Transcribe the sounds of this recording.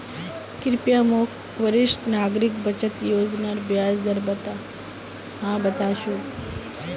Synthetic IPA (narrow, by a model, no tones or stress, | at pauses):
kɪɾpjamok | ʋəɾɪʃʈnaɡɾikbət͡ʃət̪joːd͡ʒnaɾbjad͡ʒd̪əɾbət̪a | ɦãbət̪aʃũ